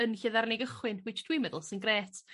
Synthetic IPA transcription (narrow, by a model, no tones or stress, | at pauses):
ənɬɪðarneɡəχwɪnwɪt͡ʃd̥wiːmɛðəlˠsɪnɡreːtʰ